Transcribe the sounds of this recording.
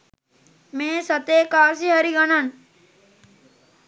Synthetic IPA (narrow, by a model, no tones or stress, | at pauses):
mẽːsɐt̪eːkaːɾs̬iɦɐɾiɡɐnan